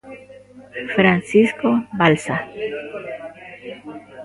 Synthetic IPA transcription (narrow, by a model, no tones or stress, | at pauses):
fɾansiskobalsa